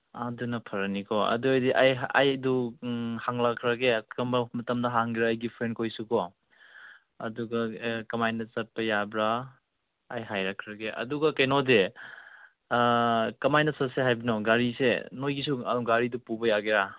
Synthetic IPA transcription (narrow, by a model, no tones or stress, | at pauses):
adunɐpʰɐɾɐnikʰɔɐ̰duajdiʔaja̰jduhaŋlakʰːɾɐɡeɐmɐmɐtɐmdɐɦaŋɡiɾaːjɡipʰɾenkʰojsukɔ | ɐduɡɐkɐmajnɐsɐt̚pɐjabɾaː | jɦajɾakʰːɾɐɡeʔɐ̰duɡɐkɐjnode | kɐmajnɐsɐt̚seɦajbinɔɡaɾisḛnojɡisuɡaɾidupubɐjaɡeɾa